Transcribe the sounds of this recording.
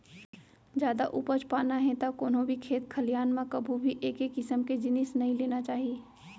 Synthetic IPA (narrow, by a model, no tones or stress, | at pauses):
d͡ʒjaːd̪aʔʊpət͡ʃpaːnaɦɛ̃t̪akoːnɦõbʱikʰeːt̪kʰəlijaːnmãkɐbʱubʱiʔeːkeːkːɪsəmked͡ʒɪnɪsnɐɦĩleːnat͡ʃaːɦieː